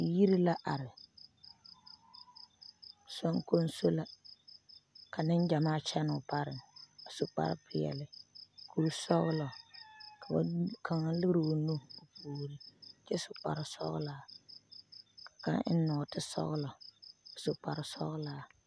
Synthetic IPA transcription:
ji˦ɾi˦la˦ʔa˨ɾɪ˨ | sɔ˦ŋko˦n˦so˦la˦ | ka˨nɪ˦n˦d͡ʒa˨maː˦t͡ʃɛ˦nʊ˨pa˦ɾɪ˨ŋ˨a˨sʊ˨k͡pa̰˦ɾɪ̰˦pɪ˨jɛ̰˨lɪ˨kʰo˨˦sɔ˦ɣlɔ˨kʰa˨ba̰˦kʰa˨ŋa˦lɨ˦ɣɾɨ˨o˨nu˦o˨pʰuː˨lɪ˨t͡ʃɛ˦sʊ˨k͡pa̰˨ɾɪ˨sɔ̰˦ɣla˦˨ | kḁ˨ka̰˦ʔɪ̰˦n˦nɔ˨tɪ˦sɔ̰˦ɣlɔ˨a˨sʊ˨k͡pa˨ɾɪ˨sɔ̰˦ɣʊ˦laː˦

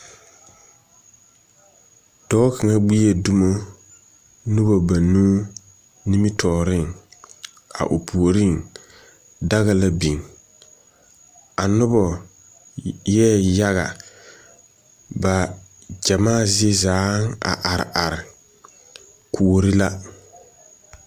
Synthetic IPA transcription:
d̥ɔː˦ka˨ŋa˦ɡ͡bi˦e˨du˦mo˦ | nʊ˦bɔ˨ba˨nuː˦ | ni˦mɪ˦tʰɔː˨ɾɪ˦˨ŋ | a̰˨ʔo˨pʰu˨o˨ɾi˦˨ŋ | da˦ɣa˦la˦bi˨ŋ | a˨nʊ˦bɔ˨ | jɛ˦ja˦ɣa̰˨ | ba˨ | d͡ʒa˨maː˦˨zɪ˦e˦zaː˨˦ŋa̰˨ʔa˨ɾɪ̰˨ʔa˨ɾɪ˨ | kʰu˨o˨ɾi˦la˦

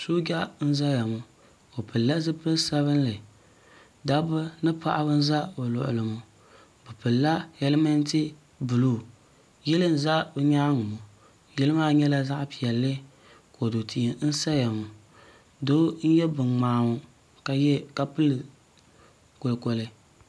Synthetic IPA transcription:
so˦ɡa˦n̩˦za˦ja˨mʊ˨ | o˨pɨ˨lːa˦zɨ˦pɨ˦lsa˦βɨ˦n˦lɨ˨ | da˦bɨ˦nɨ˦pa̰˦ʔa˦bɨ˦n̩˦za˦bo˨lʊ̰˨ʔʊ̰˨lɨ˨mʊ˨ | bɨ˨pɨ˨lla˦jɛ˦lɨ˦ma˦n˦tɪ˦ | bɨ˨lu˦˨ | jɛ˦lɨ˦n̩˦˨za˦bɨ˦ɲaː˦ŋʊ˨mu˨ | jɛ˦lɨ˦maː˦ɲɛ˦la˦za˦ʔpi˨ɛ˨lːɨ˦ | ko˨do˨tʰi˨n̩˦sa˦ja˨mʊ˨ | do˦n̩˦jɛ˦bɨ˨ŋ͡maː˨ŋʊ˨˦ | ka˨jɛ˦ka˦pɨ˦lɨ˨ | ko˨lko˨lɨ˦

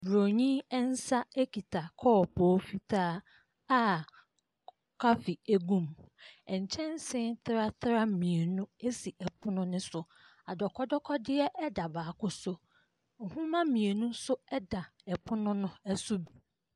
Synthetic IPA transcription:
bɾo˨ɲĩ˦ɛ˦n̩˦sa˦e˦kʰi˨tʰa˨kʰɔ˦ɔ˨pʰɔː˨˦fi˦tʰaː˦ | a˦ | kʰa˦fi˨e˦ɡũ˦˨mɛ˨ɲ̩˨t͡ɕʰɛ̃˦n˦sɪ̃˦nt̪ʰɾa˦tʰɾa˦mĩ˨e˨nũ˦e˦si˨ʔɛ˨pʰʊ˦nʊ̃˦nʊ̃˦sʊ˨ | a˨dɔ˨kʰɔ˦dɔ˦kʰɔ˦dɪ˦ɛ˦ʔɛ˦da˨baː˨kʊ˦sʊ˦ | ŋ̩˨hũ˦mã˦mĩ˨e˨nũ˦sʊ˦ɛ˦da˨ɛ˨pʰʊ˦nʊ̃˦nʊ̃˦ɛ˦sʊ˦bi˨

